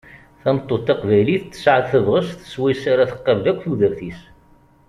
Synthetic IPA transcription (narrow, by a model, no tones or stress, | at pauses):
θæmt̪ˤːot̪ːɑqvæjliθt͡sːə̥sʕəðθəvʁəsθə̥swæjsaɾæθəqːəvlækʷːθuðəɾθis